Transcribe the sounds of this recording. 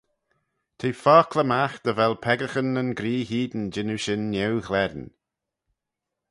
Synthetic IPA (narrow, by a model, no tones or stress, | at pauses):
t̪ʰiːfaːkʰləmaxd̪̥əvɛlˠpʰɛɡəxənənɡɾiːhiːd̪ənd͡ʒɪnuʃɪnːɛwxlɛɾn